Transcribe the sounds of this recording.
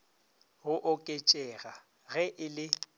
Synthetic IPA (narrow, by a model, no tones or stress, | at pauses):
ɣʊʔʊkʼet͡ʃʼɛɣa | ɣɛʔɪlɪ